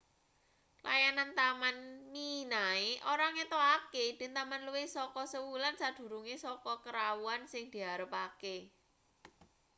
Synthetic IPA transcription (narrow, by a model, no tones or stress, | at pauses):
lʔa̰janant̪amanminaeʔoɾaŋet̪oaked̪̥ɪ̤nt̪amanluwesɔkɔsəwulansad̪̥ṳɾuŋesɔkɔkəɾawuansɪŋd̪̥i̤ɦaɾəpake